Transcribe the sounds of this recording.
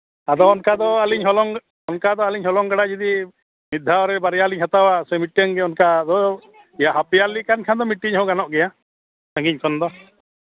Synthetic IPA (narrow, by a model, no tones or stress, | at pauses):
ad̪ɔːnkad̪ɔaliɲɦɔlɔŋ | ɔnkad̪ɔaliɲɦɔlɔŋɡaɽad͡ʒid̪i | mid̪ʱːaɔɾɛbaɾɛjaliɲɦat̪awasɛmiʈːɛŋɡɛɔnkad̪ɔ | ɛjaɦapijalikankʰand̪ɔmiʈːiɲɦɔ̃ɡanɔʔɡɛja | saŋɡiɲkʰɔnd̪ɔ